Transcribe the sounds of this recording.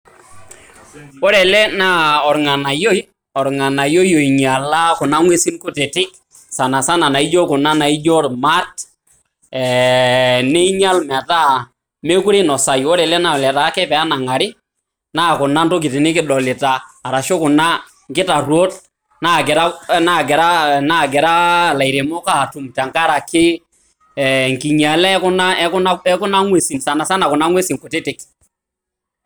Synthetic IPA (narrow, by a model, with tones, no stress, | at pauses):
wɔ˦ɾɛ˨lɛ˦na˦ɔ˨ɾŋa˨na˨jo˦j | ɔ˨ɾŋa˨na˨jo˦jo˨i˨ɲ˨a˨la˦kʊ˨na˦ŋwe˦si˦nkʊ˦tɛ˨tɪ˦k̚ | sa˨na˨sa˦na˨na˨i˦d͡ʒɔ˦kʊ˨na˦na˨i˦d͡ʒɔ˦ɾma˦t | ɛ˨ | ne˦i˦ɲa˦lma˨ta˦ | me˦ku˦ɾe˦nɔ˨sa˨jwɔ˦ɾɛ˨lɛ˦na˦ɔ˨lɛ˨ta˨˦kɛ˦pɛ˨a˦na˨ŋa˨ɾɪ˦ | na˦˨kʊ˨na˦nto˦k̬ɪ˨tɪ˨nɪ˦kɪ˦ɗɔ˨lɪ˨taː˨ɾa˨ʃo˦kʊ˨na˦ | ŋɡɪ˦ta˨rwo˦t | na˦˨kɪ˨ɾa˦na˦˨ɡɛ˨ɾa˦na˦˨ɡɛ˨ɾa˦la˨i˨ɾe˨mɔ˦ka˦˨tu˨mta˨ŋka˦ɾa˨kɪ˦˨ | ŋki˨ɲa˨lɛ˦kʊ˦na˦a˦ɛ˦kʊ˦na˦ŋwe˨si˨nsa˨na˨sa˦na˨kʊ˨na˦ŋwe˦si˨ŋkʊ˨te˦tɪ˨k